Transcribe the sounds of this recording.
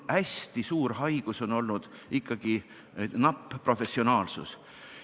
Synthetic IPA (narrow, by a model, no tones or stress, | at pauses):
hæsʲt̪isuːɾɦɑjɡ̥uso̞no̞lnud̪̥ | ikːɑɡ̥i | nɑpːro̞fe̞sːio̞nɑːlsṵs